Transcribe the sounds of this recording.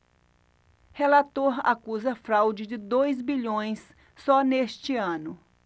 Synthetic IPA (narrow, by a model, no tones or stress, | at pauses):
helat̪oɾa̰kuzɐfɾawd͡ʒɪd͡ʒɪd̪ojzbiʎõj̃sː | ɔnest͡ʃɪɐ̃nʊ